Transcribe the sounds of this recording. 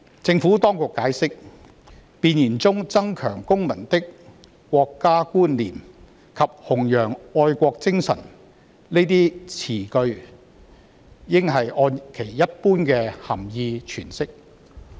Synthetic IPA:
t͡sɪ˧ŋfuː˨˥t̪ɔː˥ŋkʊ˨kːaː˨˥jsɪ˥k̚ | piː˧njiː˨˩nt͡sʊ˥ŋt͡sɐ˥ŋkʰœː˨˩ŋkʊ˥ŋmɐ˨˩nt̪ɪ˥k | kʷːɔː˧kːaː˥kuː˥nliː˨˩m | kʰɐ˨p̚hʊ˨˩ŋjœː˨˩ŋɔː˧jkʷɔː˧k̚t͡sɪ˥ŋsɐ̰˨˩n | le˥t̪iː˥t͡sʰiː˨˩kɵ˧ɥ | jɪ˥ŋɦɐ˨jʔɔː˧nkʰe˨˩jːɐ˥t̚puː˥nkɛː˧hɐ˨˩mjiː˧t͡ʃʰyː˨˩nsɪ˥k̚

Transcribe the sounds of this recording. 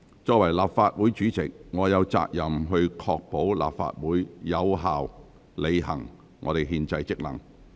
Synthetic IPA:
t͡ʃɔː˧k̚wɐ˨˩jlaː˨pfaː˧t̚wuː˨˥jt͡ʃyː˨˥t͡sɪ̰˨k̚ŋɔː˨˧jɐ˨˧wt͡sa̰ː˧k̚jɐ˨mɦɵ˧ɥkʰɔː˧k̚po˨˥wla̰ː˨p̚fa̰ː˧t̚wuː˨˥jjɐ˨˧wɦaː˨w | le˨˧jɦɐ̰˨˩ŋ | ŋʔɔ̰ː˨˧ɾe˨jɦiː˧nt͡sɐ˧jt͡sɪ˥k̚lɐ˨˩ŋ

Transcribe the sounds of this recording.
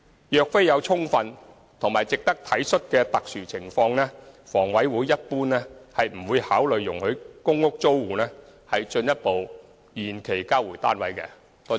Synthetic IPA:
jœː˨k̚fe˥jɐ˨˧wt͡sʰʊ˥ŋfɐ˧n | t̪ʰʊ˨˩ŋmaː˨˩jt͡sɪ˨k̚t̪ɐ˥k̚t̪ʰɐ˨˥jsɵ˥t̚kɛː˧t̪ɐ˨k̚syː˨˩t͡sʰɪ˨˩ŋfɔː˧ŋnɛː˥fɔː˨˩ŋwɐ˨˥jwuː˨˥jjɐ˥t̚puː˥nlɛː˥hɐ˨jm̩˨˩wuː˨˧jhaː˨˥wlɵ˨ɥːʊ˨˩ŋhɵ˨˧˥kʊ˥ŋːʊ˥k̚t͡so˥wwuː˨nɛː˥hɐ˨jt͡ʃɵ˧njɐ˥t̚po˨w | jiː˨nkʰe˨˩jkaː˥wuː˨˩jt̪aː˥nwɐ˨˥jkɛ̰ː˧ | t̪ɔː˥

